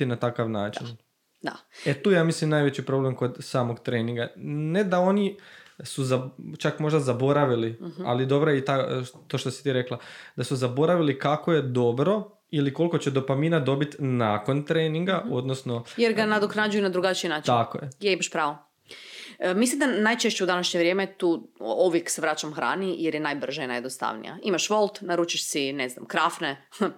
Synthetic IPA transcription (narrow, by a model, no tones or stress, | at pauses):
inat̪akaʋnaːt͡ʃin | d̪aet̪uːjaːmislimnaːjʋet͡ɕipɾo̞blemko̞d̪saːmo̞ɡt̪ɾeːniŋɡane̞d̪ao̞nisuzat͡ʃakmo̞ʒd̪azabo̞ɾaʋilia̰lid̪o̞bɾojit̪at̪oʃt̪osit̪iːɾeklˠad̪asuzabo̞ɾaʋilikakoje̞d̪o̞bɾo̞ | iliko̞lˠkot͡ɕe̞d̪o̞paminad̪o̞bit̪nako̞nt̪ɾeniŋɡao̞d̪nosnojeɾɡanad̪oknad͡ʒujunad̪ɾuɡat͡ʃiinaːt͡ʃt̪akojejeibaʃpɾaːʋo | mislimd̪anajt͡ʃeʃt͡ɕeud̪anaʃɲeʋɾʲje̞ːmet̪uːoʋjekseʋɾat͡ʃamxɾa̰ːnijeɾjenajbr̩ʒainajed̪nost̪a̰ʋnḭja̰imaʃʋo̞lˠt̪naɾuːt͡ʃiʃsinezna̰mkɾafne